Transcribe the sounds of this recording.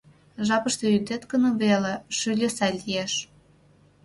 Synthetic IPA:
ʒɑpəʃt̪eyd̪et̪ɡə̆noβeleʃylʲøsɑlʲijeʃ

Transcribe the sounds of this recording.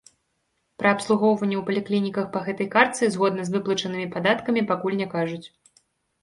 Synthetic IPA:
pɾɐːpslˠuɣɔwvɐnʲːɛwpɐlʲɛklʲinʲikɐxpɐɣɛt̪ɐjkart̪sɨzɣɔd̪nɐzvɨplˠɐt͡ʂɐnɨmʲipad̪at̪kɐmʲipakulʲnʲɛkaʐut͡sʲ

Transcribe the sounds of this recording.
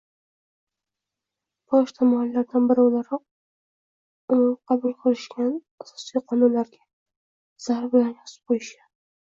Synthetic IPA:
bɒʃt̪ʰamahalːaɾd̪anbɪɾɪolaɾɒq̚ | ʊmmqʰɑbʊlˠqʰɨlɪʃɡʲan | asɒ̥sijqʰɒnʊnlaɾɡʲa | z̥aɾbɪlanɒsɪ̥p̚qʰojɪʃa

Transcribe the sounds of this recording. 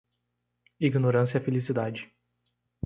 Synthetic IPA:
iɡnoɾɐ̃siɐfelisid̪ad͡ʒɪ

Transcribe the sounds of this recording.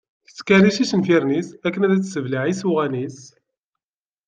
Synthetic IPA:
θəskæɾiʃisənfiɾnisækːənæðæt͡sːsəvliʕisuʁænis

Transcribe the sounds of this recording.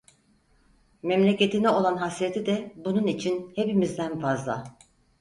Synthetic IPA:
mɛmlʲece̞t̪ʰinɛo̞lˠanɦasɾet̪ʰid̪ɛbununit͡ʃʰinhe̞pimizd̪ænfazlˠa̰

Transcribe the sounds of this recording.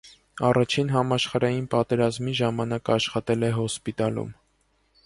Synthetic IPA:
ɑrɑt͡ʃʰinɦɑmɑʃχɑɾɑjinpɑt̪ɛɾɑzmiʒɑmɑnɑkɑʃχɑt̪ɛlɛɦɔspit̪ɑlṵm

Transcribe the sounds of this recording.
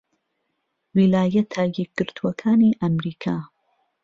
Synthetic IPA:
wilaːjɐt̪ʰajɛk̚ɡ̥ɨɾt̪ʰuɐkʰaːniːʔɐmɾiːkʰaː

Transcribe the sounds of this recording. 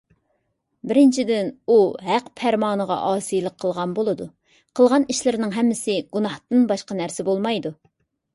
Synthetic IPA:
bɪɾɪnt͡ʃʰid̪ɪnuɦæqpʰæɾmɑːnəʁɑ̰ʔɑːsijlˠəqʰːəlˠʁɑnbolˠɨd̪u | qʰəlˠʁɑniʃlɪɾnɪŋɦɛmːɪsɪɡunɑht̪ɨnbɑʃqɑnæɾsɪbolˠmɑjd̪u

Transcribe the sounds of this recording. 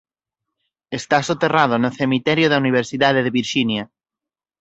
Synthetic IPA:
est̪asot̪eraðonoθemit̪ɛɾjoðauniβ̞eɾsiðaðeðeβiɾʃinja

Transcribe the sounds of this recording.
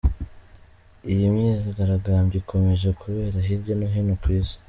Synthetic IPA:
ijimɲizaɡaɾaɡaːmbikʰo̞me̞ʒe̞kuβe̞ːɾaɦiɾɟonoɦinokwizi̥

